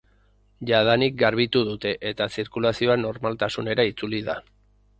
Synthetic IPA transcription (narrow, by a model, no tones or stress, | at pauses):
ʝað̞anik̚ɡaɾβ̞it̪uð̞ut̪e̞ʔet̪asiɾkulasio̞ano̞ɾmalt̪asune̞ɾait͡suliða